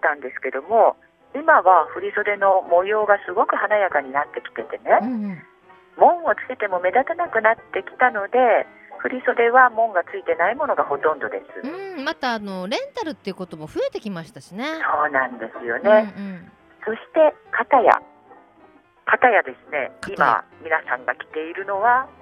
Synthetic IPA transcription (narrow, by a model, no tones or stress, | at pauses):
t̪ãnd̪e̞sɨ̥ke̞d̪o̞mo̞ | imaβaɸɯ̟ɾʲiso̞d̪e̞no̞mo̞jo̞ːɡasɨɡo̞kɯ̟hanajakaɲ̟inat̪ːe̞kʲi̥t̪e̞t̪e̞ne̞ɯ̃ | mõ̞ɰ̃ot͡sɨ̥ke̞t̪e̞mo̞me̞d̪at̪enakɯ̟nat̪ːe̞kʲi̥t̪ano̞d̪e̞ɸɯ̟ɾʲiso̞d̪e̞βamõ̞ŋɡat͡sɨit̪e̞naimo̞no̞ɡaho̞t̪õ̞nd̪o̞d̪e̞sɨ̰ɯ̃mat̪aːno̞ɾẽ̞nt̪aɾɯ̟t̪ːeɯ̟ko̞t̪o̞mo̞ɸɯ̟e̞t̪e̞kʲimaɕi̥t̪aɕine̞so̞ːnãnd̪e̞sɨjo̞nẽ̞ː | so̞ɕi̥t̪e̞kat̪aja̰ | kʰat̪ajad̪e̞sɨne̞̰kaima̰mʲinasã̰ŋɡakʲi̥t̪e̞iɾɯ̟no̞βa